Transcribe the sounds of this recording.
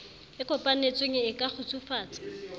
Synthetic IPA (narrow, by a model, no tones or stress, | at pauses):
ɪkʼɔpʼan̩et͡sʼweŋɪːkʼaχʊt͡sʰʼufaːt͡sʼḁ